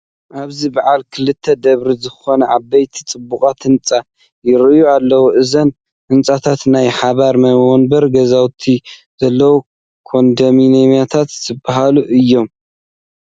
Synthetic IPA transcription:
ʔaβzibaʕalkʰɨlɨt̪ʰːɐd̪ɐβɾizɨxo̞nɐʕabːɐjt̪ʰi̥t͡sʼɨbːukʼat̪ʰɨnt͡sʼa | jɪɾjualːɐwuʔɨzɐn | ʔɨnt͡sʼat̪ʰat̪najħaβaɾmɐwɔnbɐɾɡɐzawt̪ʰiz̥ɐlːɐwu | kʰo̞nd̪ɐminemijat̪ʰat̪zɨbːaɦaluʔɨjːo̞m

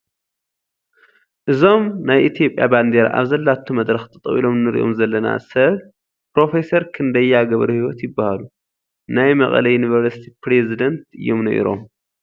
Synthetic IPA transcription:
ʔɨzo̞mnajʔit̪ʰijo̞pʼja̰band̪eɾa̰ʔa̰βzɐlːat̪ʰːumɐd̪ɾɐxt̪ʰɐt̪ʼwḭlo̞mnɨɾ̰ʔo̞̰mzɐlːɐna̰sɐβ | pɾo̞fe̞sɐɾkʰɨnd̪ɐjːaɡɐβɾuhiwɔt̪jɪbːahalu | najmɐχʼɐ̰lɐjunivɐɾsi̥t̪ʰipʰɾezid̪ɐnt̪ɨ̰jːo̞mnɐ̰ʔḭɾo̞̰m

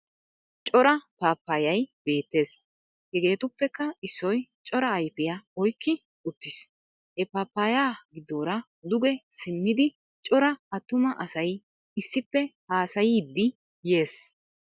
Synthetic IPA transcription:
t͡ʃʼɔɾɐpaːpːaːjɐjbe̞ːt̪ːe̞ːs | hɛɡe̞ːt̪ʊpːɛkːɐɪsːɔjt͡ʃʼɔɾɐːjpɪjɐɔjkːɪ | ʊt̪ːɪs | hɛpaːpːaːjaːɡɪd̪ːoːɾɐ | d̪ʊɡɛsɪmːɪd̪ɪ | t͡ʃʼɔɾɐɐt̪ːʊmɐʔɐsɐj | ɪsːɪpːɛhaːsɐjɪd̪ːɪ | je̞ːs

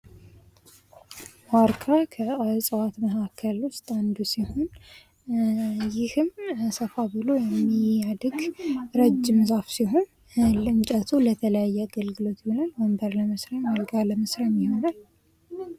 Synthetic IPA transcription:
waɾkʰɾakʰəasʼɨwat̪məkʰakʰːəlwʊst̪ʼand̪usiho̞n | jɪhɨmsəfabɨlo̞jɛmːiad̪ɡɾəd͡ʒːɪmzafsiɦo̞n | lɨnt͡ʃʼət̪ʰulət̪ʰələjajːɛaɡəlɡɨlo̞t̪jhonalwɔmbəɾləməsɾaməlɡaləməsɾamjiho̞nal

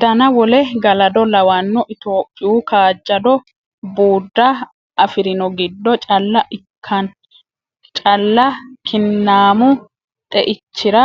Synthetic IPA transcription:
d̪ɐnɐwɔlɛɡɐlɐd̪ɔlɐwɐnːɔʔɪt̪oːpʼːɪukaːd͡ʒːɐd̪ɔ | buːd̪ːɐ | ʔɐfɪɾɪnɔɡɪd̪ːɔt͡ʃʼɐlːɐʔɪkʰːɐn | t͡ʃʼɐlːɐkʰɪnːaːmʊ | t̪ʼɛʔɪt͡ʃːɪɾɐ

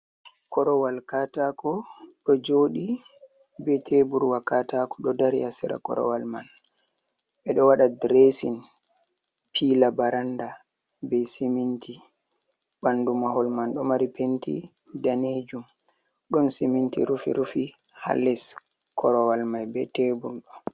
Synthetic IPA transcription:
kɔɾɔwalkatakɔɗɔd͡ʒoːɗi | bɛtʰebuɾwakatakɔ̥ɗɔdaɾjasɛɾa̰kɔ̰ɾɔ̰walman | ɓɛɗɔwaɗadɾesin | pʰilabaɾanda | bɛjsimintʰi | bandumahɔlmanɗɔmaɾipentḭ | daned͡ʒum | ɗɔnsimintḭɾufḭɾufi | ha̰lːɛs | kɔɾɔwalmajbɛtebuɾɗɔ

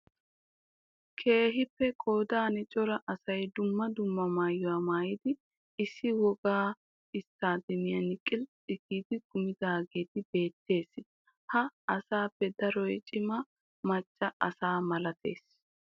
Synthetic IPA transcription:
kʰe̞ːɦɪpːɛkʼoːd̪aːnɪt͡ʃʼɔɾɐʔɐsɐjd̪ʊmːɐd̪ʊmːɐmaːjːʊwaːmaːjɪd̪ɪ | ɪsːɪwɔɡaː | ɪst̪ːaːd̪ɛmɪjɐnɪkʼːɪlᶑɪkiːd̪ɪkʊmɪd̪aːɡeːt̪ɪbe̞ːt̪ːe̞ːs | hɐɐsaːpːɛd̪ɐɾɔjt͡ʃʼɪmɐ | mɐt͡ʃʼːɐʔɐsaːmɐlɐt̪ʰe̞̰ːs

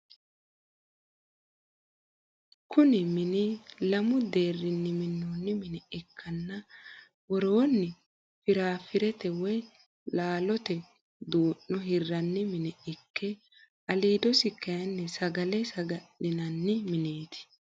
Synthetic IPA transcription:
kʰʊnɪmɪnilɐmʊd̪e̞ːrːɪnːɪmɪnːoːnːɪmɪnɛʔɛkʰːɐnːɐ | wɔɾo̞ːnːɪ | fɪɾaːfɪɾɛt̪ɛwɔj | laːlɔt̪ɛ | d̪uːʔːʊɦɪrːɐnːɪmɪnɛʔɛkːɛ | ɐliːd̪ɔsɪkːɐjɐnːɛsɐɡɐlɛsɐɡɐɗɪnɐnːɪmɪneːt̪ʰɪ̥

